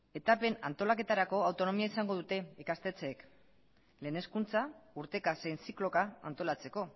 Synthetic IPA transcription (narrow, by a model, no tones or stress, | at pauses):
e̞t̪ape̞na̰nt̪o̞lake̞t̪aɾako̞awt̪o̞no̞miaisaŋɡo̞ð̞ut̪e̞ikast̪e̞t͡se̞ːk | le̞ːne̞skunt͡sauɾt̪e̞kasejnsiklo̞kaa̰nt̪o̞lat͡se̞ko̞